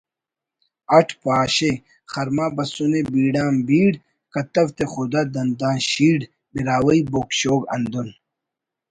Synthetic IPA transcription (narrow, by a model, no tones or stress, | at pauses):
ɐʈʰpaːɕe | xɐɾmaːbɐsunebiːɖaːmbiːɽ | kɐt̪ɐwt̪eχud̪ad̪ɐnd̪ãːɕiːɖ | biɾaːwɐibokɕoːɡɐ̰nd̪un